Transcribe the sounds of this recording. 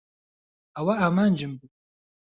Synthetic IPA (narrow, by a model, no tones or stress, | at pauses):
ɐwaaːmaːnd͡ʒɨmbu